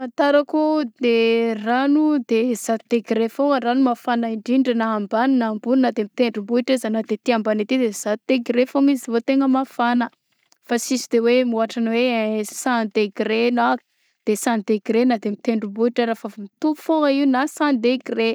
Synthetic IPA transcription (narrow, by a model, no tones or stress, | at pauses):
ant̪aɾakud̪eranud̪ez̥at̪t̪eɡɾefoŋəranumafanaiɳɖ͡ʐiɳɖ͡ʐənaːmbaninambulunad̪emit̪eɳɖ͡ʐumbuiʈ͡ʂizanad̪et̪iambanit̪id̪ez̥at̪̚t̪eɡiɾefoŋizivot̪eŋəmafanə | fasisid̪ewemuaʈ͡ʂanwesãnd̪eɡɾena | d̪̥esand̪eɡɾenad̪emit̪eɳɖ͡ʐubuiʈ͡ʂəɾafəmit̪u̥foŋəiunasãnd̪eɡre